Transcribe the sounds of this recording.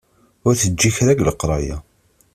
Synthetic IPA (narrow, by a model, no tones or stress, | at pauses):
ʊɾθəd͡ʒːiçɾæɡləqɾˤɑja̰